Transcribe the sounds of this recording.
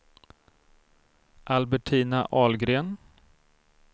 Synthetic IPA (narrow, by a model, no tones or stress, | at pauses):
ʔalbɛʈʰiːnaʔɑːlɡɾeːn